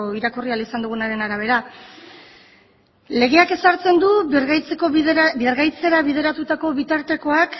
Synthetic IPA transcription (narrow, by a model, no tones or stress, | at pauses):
iɾakorialisand̪uɣ̞unaɾe̞naɾaβ̞e̞ɾa | le̞ɣ̞e̞ake̞saɾt͡se̞nd̪uɣjt͡seko̞birɣajt͡se̞ɾaβið̞e̞ɾat̪ut̪ako̞βit̪aɾt̪e̞ko̞ak